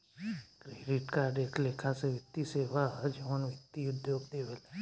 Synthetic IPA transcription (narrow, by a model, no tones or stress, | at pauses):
kɾeːɖɪʈkaːɾɖeːkleːkʰaseʋjəkt̪iseːʋad͡ʒəʋənʋjəkt̪iʊd̪ʱjoːɡd̪eːʋəl